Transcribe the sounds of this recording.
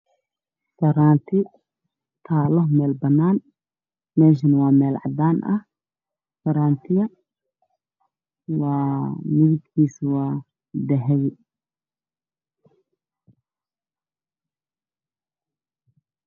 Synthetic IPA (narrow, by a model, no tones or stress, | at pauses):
fɐɾaːnt̪ʰɪ | t̪ʰaːlɔɦmɛːlbɐnːaːn | mɛːʃ̬ɪnwɑːmɛːlʕɑ̰d̪aːnʔɐh | fɐɾaːnt̪ʰɪɣɐ | wɑːmɪβɪd̪kʰiːswɑː | d̪ɐɦɛjɪ